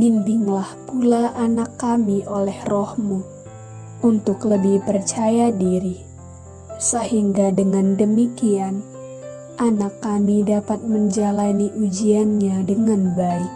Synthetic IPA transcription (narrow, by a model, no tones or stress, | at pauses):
bimbɪŋlahpulaʔanakːamiʔolɛhrɔhmu | ʔunt̪ʊkləbihpərt͡ʃajadiɾi | səhiŋɡadəŋandəmikian | ʔanakːamidapat̪̚məɲd͡ʒalaniʔud͡ʒianɲadəŋanbaik̚